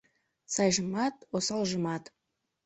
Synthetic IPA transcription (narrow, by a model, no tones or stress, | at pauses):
sɑjʒəmɑt̪wosɑlˠʒəmɑt̪